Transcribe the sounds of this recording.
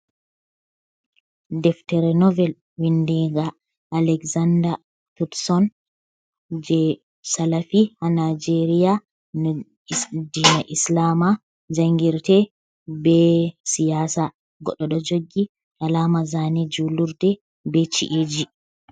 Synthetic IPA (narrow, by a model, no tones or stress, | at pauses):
dɛftɛɾɛnɔvɛl | windɛɡaː | lɛkzanda | t̪utsɔn | d͡ʒɛ | salafihanad͡ʒeɾija | dinaʔislaːma | d͡ʒaŋɡiɾtɛ | bɛsijaːsa | ɡɔɗɔɗɔd͡ʒoɡːi | ʔalaːmazanid͡ʒuluɾtɛ | bɛt͡ʃḭʔid͡ʒi